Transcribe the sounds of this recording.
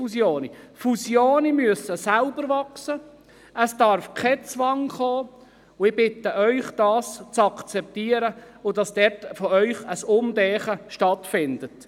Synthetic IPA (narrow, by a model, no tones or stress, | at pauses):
usjoːnifusjoːnimyəsəsalbəɾvɑksə | əsd̥ɑɾfkʰɛt͡sʋɑŋχoː | ʊɪb̥ɪtːəʔœʏχd̥ɑːst͡sɑkt͡sɛp̚t̪iːəɾə | ʊd̥ɑsd̥ɛtfɔœʏχəsʊmdɛːχəʃtɑtfɪndət